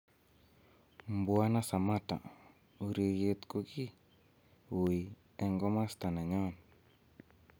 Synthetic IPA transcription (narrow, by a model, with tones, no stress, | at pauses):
mbwa˦na˦sa˨ma˦ta̰˨ | o˨ɾe˨ɡe˨t̪ko˦ɡi˦ | wo˨i˨ | ɛ˨ŋɡɔ˦ma˦st̪a˨na˨ɲɔ˦˨n